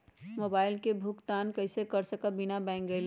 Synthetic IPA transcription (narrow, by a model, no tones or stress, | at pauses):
mobaːɪlkebʱʊkt̪aːnkəɪsekəɾsəkabinabɛ̃ɪ̃ŋɡəel